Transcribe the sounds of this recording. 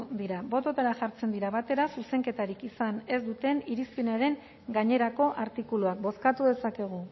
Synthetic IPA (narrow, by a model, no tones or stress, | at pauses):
d̪iɾabo̞t̪o̞t̪aɾaʝaɾt͡se̞nd̪iɾaβat̪e̞ɾasuse̞ŋke̞t̪aɾikisane̞zd̪ut̪e̞niɾispenaɾe̞ŋ | ɡaɲe̞ɾako̞ʔaɾt̪ikuluak̚bo̞skat̪uðe̞sake̞ɣ̞u